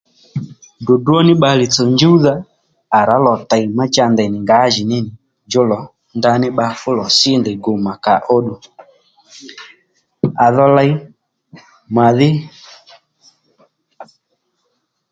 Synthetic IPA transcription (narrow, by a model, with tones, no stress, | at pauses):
dʊ˨du˦ɔ˦nɪ˦ɓa˧lɪ˨t͡sɔ˨nd͡ʒu˦ða˦ | a˨ɾa˨˦lɔ˨ta˨jma˦t͡ʃa˧ndɛ˨nɪ˨ŋɡa˨˦ʒɪ˨nɪ˦nɪ˨ | d͡ʒʊ˦lɔ˨ | nda˧nɪ˦ɓa˧fʊ˦lɔ˨sɪ˦ndɛ˨ɡo˨ma˨ka˨ʔɔ˦ɗu˨ | a˨ðɔ˧la˧j | mwa˨ðɪ˦